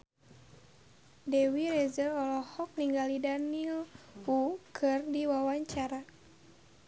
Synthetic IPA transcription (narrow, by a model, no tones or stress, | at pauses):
dɛwirɛzəlɔlɔhɔk̚niŋɡalidanilukʰɨrdiwawaɲt͡ʃaɾa